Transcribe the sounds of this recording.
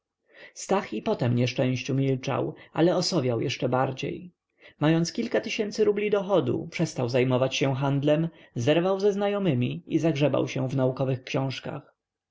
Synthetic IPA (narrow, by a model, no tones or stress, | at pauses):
st̪axipɔt̪ɛmɲɛʂt͡ʂɛ̃w̃ɕt͡ɕumʲilt͡ʂa̰wʔalɛɔsɔvʲjawjɛʂt͡ʂɛbaɾd͡ʑḛj | majɔnt̪skʲilkat̪ɘɕɛnt̪sɘɾublʲid̪ɔxɔd̪ṵpʂɛst̪awzajmɔvat͡ɕɕɛɦand̪lɛm | zɛɾvawzɛznajɔmɘmʲiizaɡʐɛba̰wɕɛ̃vnaukɔvɘxkɕɔ̃w̃ʂka̰x